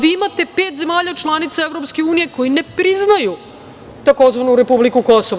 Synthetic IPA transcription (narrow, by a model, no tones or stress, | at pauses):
ʋiimat̪e̞pe̞ːt̪ze̞maːʎat͡ʃlˠanit̪saeʋvɾopskeuːnije̞ko̞jine̞pɾiznaju | t̪ako̞zʋanuɾe̞publikuko̞so